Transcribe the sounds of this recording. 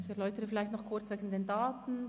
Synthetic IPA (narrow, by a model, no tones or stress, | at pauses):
ɪçɛʁlɔʏtəʁəfɪlaɪçtnɔχkʰʊɾt͡svɛːɡən̩d̥eːndaːtn̩